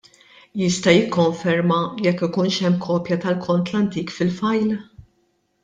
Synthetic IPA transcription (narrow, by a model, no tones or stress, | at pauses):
jɪst̪ɐjɪkːɔɱfɛɾmɐjɛkːɪkuːnʃɛmːkʰɔːpjɐt̪ɐlkʰɔnt̪lɐnt̪iːkfɪlfɐjl